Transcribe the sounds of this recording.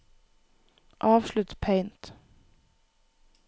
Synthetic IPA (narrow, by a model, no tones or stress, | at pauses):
ʔɑːʋʃlʉt̪pʰeɪnt̪